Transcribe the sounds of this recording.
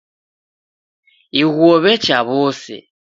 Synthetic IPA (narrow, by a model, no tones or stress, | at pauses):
iɣwɔβɛt͡ʃaβɔsɛ̰